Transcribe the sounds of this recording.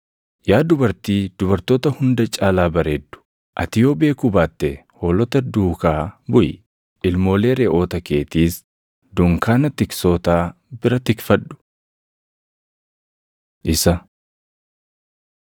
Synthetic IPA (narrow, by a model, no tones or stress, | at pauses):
jaːd̪ʊbɐɾt̪iːd̪̥ʊbɐɾt̪oːt̪ɐhʊnd̪ɐt͡ʃʼaːlaːbɐɾeːd̪ːʊ̥ | ʔɐt̪ɪjoːbe̞ːkʊbaːt̪ːɛhoːlɔt̪ɐd̪uːkaːbʊj | ʔɪlmo̞ːleːɾeːʔo̞ːt̪ɐke̞ːt̪iːs | d̪ʊŋkaːnɐt̪ɪksoːt̪aː | bɪɾɐt̪ɪkfɐᶑʊ̥ | ʔɪsɐ